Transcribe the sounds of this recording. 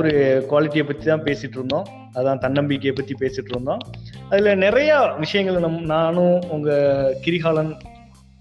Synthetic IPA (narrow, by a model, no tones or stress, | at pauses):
ɔɾɯkʊʋaːlɪʈːijɐpːɐt̪ːit̪ãːpeːsɪʈːɯɾɯnd̪õː | ɐðɯt̪ãːt̪ɐɳːɐmbiːkːɐpːɐt̪ːipeːsɪʈːɯɾɯnd̪õːɐðɪlɐnɪrɐjɐʋɪʂɐjɐŋɡɐɭnɐmnaːnʊ̃ʊŋɡɐkɪɾɪɣaːlɐn